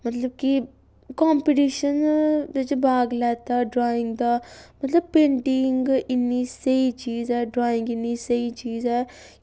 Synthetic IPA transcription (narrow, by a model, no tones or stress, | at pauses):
mɐt̪ləb̚ki | kaːmpɪʈiːʃənd͡ʒed͡ʒebʱaːɡlɛːt̪aːɖɾaːɪ̃ŋɡd̪aːmɐt̪ləb̚pẽːɳʈɪŋɡɪnːisəit͡ʃiːzɛːɖɾaːɪ̃ŋɡɪnːisɐit͡ʃiːzɦɛː